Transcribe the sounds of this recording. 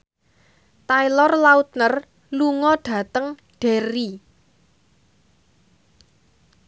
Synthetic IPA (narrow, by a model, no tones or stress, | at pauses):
t̪ajlɔrlaut̪̚nər | luŋɔɖ̥ä̤t̪əŋ | ɖ̥eɾi